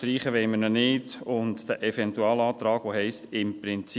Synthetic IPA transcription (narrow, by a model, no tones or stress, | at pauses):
ɾiːχəʋɛɪmənənɪdʊndd̥æʔɛfɛnt̪uɑːlɑːt̪ɾɑːɡ̥ʋoɦɛɪstɪmpɾɪnt͡s